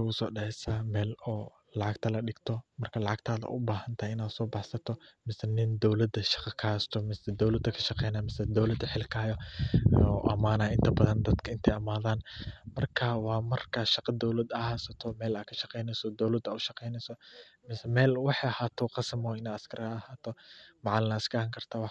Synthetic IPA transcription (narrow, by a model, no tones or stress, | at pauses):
ʊɣʊsɔːɖɑʕɛsamɛːlɔː | lɑʕɑɡt̪ʰɐlɐɗɪɡt̪ʰɔmɐrkʰɐlɑʕɑɡt̪ʰaːðɐ̰ʔʊ̰baːhɐnt̪ʰɐhjɪnaːd̪sɔːbɑħsɐt̪ʰɔmɪsɛnɪnd̪ɔwlɐd̪ɐʃɑ̥qɑkʰaːst̪ʰɔmɪsɛd̪ɔwlɐd̪ɐkʰɐʃɑqɛjnaːmɪsɛd̪ɔwlɐd̪ħɪlkʰaːjɔ | ɔʔɐmaːnɐːʔɪnt̪ʰɐbɐðɐnd̪ɐd̪kʰɐɪnt̪ʰɛjɐmaːðaːnmɐrkʰaːwɑːmɐrkʰaʃɑqɑd̪ɔwlɐd̪ɐhasɐt̪ʰɔmɛːlaːkʰɐ̥ʃɑqɛjnɛjsɔd̪ɔwlɐd̪ɐʊʃɑqɛjnɛjsɔmɪsɛmɛːlwɑħɑjɐhaːt̪ʰɔqɑsɐmɔɪnaːɐskʰɐɾʔɐɐhaːt̪ʰɔmɑʕɑlɪnɐskɐɐŋkʰɐrt̪ʰaːwɑħ